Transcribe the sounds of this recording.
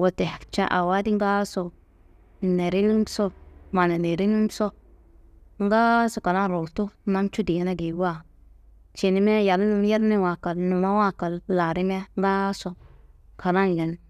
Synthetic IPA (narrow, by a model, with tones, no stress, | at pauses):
wo˨te˨ft͡ʃa˦ʔa˨wa˦di˦ŋ˦ɡa˦so˨ | ne˨ɾi˦ni˦m˦so˦ma˨na˨ne˨ɾi˦ni˦so˦ | ŋ˦ɡa˦so˨ka˨ɾa˦˨ɾo˨tu˦ma˦nt͡ʃu˦di˨ɛ˦na˦ɡi˨˦wa˦ | t͡ʃi˨ni˦me˦ja˨ɾn˦m˦ja˦ɾni˦wa˨ka˨lnu˨ma˦wa˦ka˨lla˨ɾi˦m˦a˦ŋ˦ɡa˦so˨kʰa˨ɾa˦n˨jɛ˨n